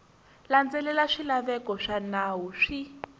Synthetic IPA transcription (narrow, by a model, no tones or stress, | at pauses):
land͡zɛlɛlaʂilaβɛkɔʂanawuʂi